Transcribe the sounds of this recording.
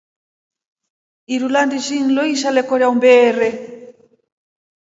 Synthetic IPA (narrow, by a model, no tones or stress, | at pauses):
iɾulandiʃin̩lɔiʃalɛkɔɾjaumbɛːɾɛ